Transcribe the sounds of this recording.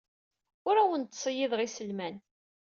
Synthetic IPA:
ʊɾæwənt̪ːsˤəjiðʁisəlmæn

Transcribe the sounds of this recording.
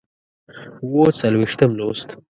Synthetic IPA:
uwot͡salwiʂt̪əmlost̪

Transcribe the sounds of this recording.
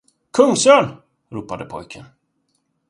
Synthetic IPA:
kʰɵŋsøːn | ɾuːpad̪əpʰɔ̰jkʰən

